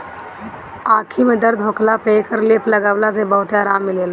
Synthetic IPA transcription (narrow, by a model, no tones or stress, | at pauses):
aːkʰimẽd̪əɾd̪ʱɦʊklapɾeːkəɾleːplɐɡaːʋlas̬ebɐɦʊt̪aːɾaːmːɪleːl